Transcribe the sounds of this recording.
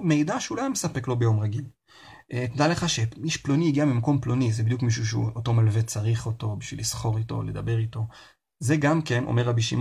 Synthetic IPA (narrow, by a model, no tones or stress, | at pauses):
me̞jdaʃeulajamesape̞klo̞be̞jo̞mʁaɡil | ʔet̪ed̪ale̞χaʃemiʃploniiɡiamimako̞mplonizebid̪jukmiʃ̬uʃ̬eṵoto̞malve̞t͡saʁiχo̞to̞biʃvḭlisχo̞ʁito̞̰le̞d̪ɐbe̞ʁito̞ | ze̞ɡamke̞nʔo̰meʁabiʃḭm